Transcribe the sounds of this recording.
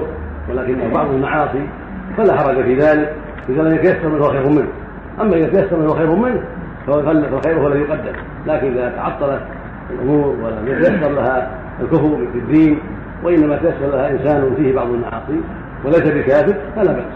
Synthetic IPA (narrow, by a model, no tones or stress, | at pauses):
wɪlaːkɪnːahbɑʕðˤalmaʕɑːsˤi | falaħɑɾˤɑd͡ʒafiːðaːlɪk | lɪzaːlaat̪ajasːɑɾˤmɪnhwxeːɾhʊmɪnh | ʔamːaʔɪðat̪ajasːɑɾˤmɪnhwaxeːɾhʊmɪnh | ffalfɪlxejɾhwalajʊqad̪ːɪm | laːkɪnʔɪðat̪aʕɑt̪ˤːɑlat̪ | ɪlʔʊmuːɾwaalat̪ajasːɑɾˤlaha | lkʊfɾfɪd̪ːiːn | waʔɪnːamat̪ajasːɑɾˤlahaʔɪnsaːnɪfiːhɪbɑʕðˤalmaʕɑ̰ːsˤi | wɪlajsabɪkaːfɪɾfalabɪħ